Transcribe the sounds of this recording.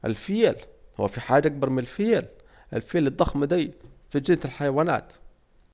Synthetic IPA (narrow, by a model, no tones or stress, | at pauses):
ʔɪ̰lfɪjelhʊ̰ːfiħaːd͡ʒʔak̚bɑɾˤmɪnalfɪjel | ʔɪ̰lfjeːlɨd̪ˤːɑxmad̪iːfid͡ʒɪnːt̪ɪlħajawaːna̰ːt̪